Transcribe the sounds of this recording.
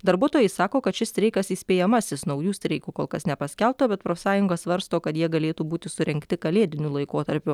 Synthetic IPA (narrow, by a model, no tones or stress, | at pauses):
d̪ɐɾbuɔt̪oːjɛɪsɑːkoːkɐt̪ʃʲɪsʲt̪ʲɾʲɛɪkɐsiːsʲpʲeːjɛmɐsʲɪsnɐʊjuːsʲt̪ʲɾʲɛɪkuːkoːlˠkɐsnʲɛpɐsʲkʲælˠp̚t̪oːbʲɛt̪̚pɾoːsɑːjʊŋɡɐsʋɐɾst̪oːkɐt̪jiɛɡɐlʲeːt̪uːbuːt̪ʲɪsʊɾʲɛŋkt̪ʲɪkɐlʲeːd̪ʲɪnʲʊlˠɐɪkoːt̪ɐɾʲpʲʊ